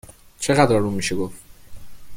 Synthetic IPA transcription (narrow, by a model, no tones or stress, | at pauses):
t͡ʃʰeɣæd̪ɾɒɾumiʃeɡof